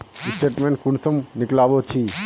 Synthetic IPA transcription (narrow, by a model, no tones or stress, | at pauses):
isʈeʈmẽɳʈ̚kunsəmniklabot͡ɕʰi